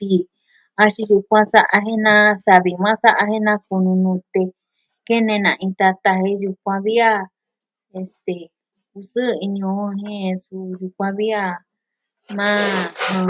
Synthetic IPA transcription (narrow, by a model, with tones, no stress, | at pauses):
t̪i˧ | a˧ʃi˧ju˧kʷã˦sa˦ʔa˧ɦe˦nã˦sa˧βi˧mã˦sa˦ʔa˧hẽ˦nã˦ku˧nũ˧nũ˧t̪e˧ | ke˦nẽ˧nã̰˨ʔĩ˧t̪a˧t̪a˧ɦe˧ju˧kʷã˧βi˦a˦ | e˧st̪e˨ | ku˧sɨ˦˧i˧ɲõ˧˨˦ɦẽ˦su˧ju˧kʷã˧βi˦a˦˧ | mã˦˧